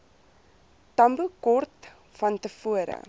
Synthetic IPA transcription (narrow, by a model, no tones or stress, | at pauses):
tɐmbukɔrt | fɐntəfuəɾə̰